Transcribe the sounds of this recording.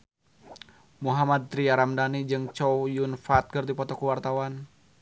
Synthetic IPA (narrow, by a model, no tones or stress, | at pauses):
muɦamad̪̚t̪ɾiaɾamdanid͡ʒɨŋt͡ʃɔwjunfat̪̚kɨrdipɔt̪ɔkuwart̪awan